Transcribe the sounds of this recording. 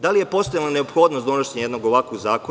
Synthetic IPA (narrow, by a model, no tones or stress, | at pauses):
d̪alijepo̞st̪ajelane̞opxoːd̪nosunaʃeɲejd̪noɡoʋakoɡzaːko